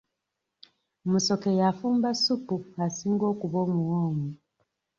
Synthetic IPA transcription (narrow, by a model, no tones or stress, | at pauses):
muso̞kejafuːmbasupuasiːŋɡo̞ːkuβo̞ːmuwoːŋu